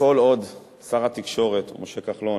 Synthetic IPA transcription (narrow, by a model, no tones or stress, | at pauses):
o̞lo̞d̪ | saʁat̪ikʃo̞ʁet̪moʃekaχlo